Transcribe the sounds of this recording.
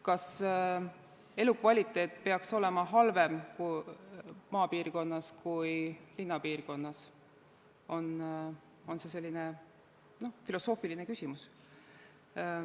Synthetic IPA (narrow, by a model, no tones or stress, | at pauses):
kɑs | e̞lukvɑlʲit̪ˑːe̞ːt̪ˑpe̞ɑkso̞le̞mɑɦɑlve̞mku | mɑːpiːrko̞nːɑskujlinːɑpiːrko̞nːɑs | o̞n | o̞nse̞se̞lʲːine | no̞filo̞so̞ːfiline̞kysʲimus